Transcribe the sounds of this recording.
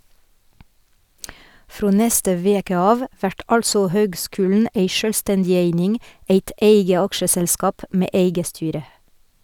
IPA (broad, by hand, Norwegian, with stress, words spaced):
ˈfɾoː ˈnɛstə ˈʋeːkə ˈɑːʋ ˈʋæʈ ˈʔɑlsɔ ˈhøːɡˌskʉːln̩ ˈeɪ ˈʃøːlˌstɛndɪ ˈeɪnɪŋ ˈeɪt ˈʔeɪɡə ˈɑkʃəsɛlˌskɑːp ˈmeː ˈʔeɪɡə ˈstyːɾə